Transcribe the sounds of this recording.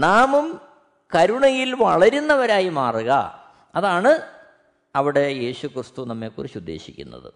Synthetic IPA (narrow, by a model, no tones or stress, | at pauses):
naːmum | kɐɾuɳɐjilʋɐɭɐɾunːɐʋɐɾaːjimaːruɣɐ̰ | ɐðaːɳɨ | ɐʋiɽe̞je̞ːɕukrɨst̪unɐmːeːkurit͡ɕud̪ʱːe̞̰ːɕikʲːṵnːɐ̰ðɨ̰